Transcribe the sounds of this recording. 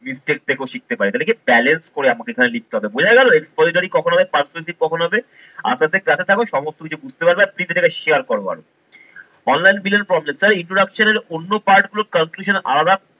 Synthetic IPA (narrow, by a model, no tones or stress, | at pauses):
misʈek̚t̪ʰekeoʃik̚t̪epaɾit̪alekebɛlenskoɾeamakeekʰanelik̚t̪eɦɔbebod͡ʑʱajɡɛloekspɔziʈaɾikɔkʰonɦɔbepaɾsmes̬iɾ̚kɔkʰonoɦɔbe | a̰saseklat̪ʰet̪ʰakoʃɔmost̪okit͡ɕʰubud͡ʑʱt̪epaɾbeapliz̬eʈakeʃeaɾkɔɾoa̰ɾo̰ | ɔnlajnbilonfɾɔmlessaɾiɳʈɾoɖakʃoneɾonːopaɾʈɡulokəŋkluʃona̰lad̪a